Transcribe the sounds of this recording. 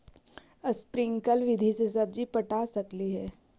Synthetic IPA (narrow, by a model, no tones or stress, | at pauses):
əspɾɪ̃ŋɡkəlʋɪd̪ʱisesɐb̚d͡ʒipɐʈaːsɐkliɦɛː